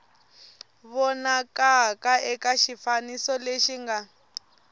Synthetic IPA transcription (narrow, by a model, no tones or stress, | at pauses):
βɔnakakaʔɛkaʃifanisɔleʃiŋɡa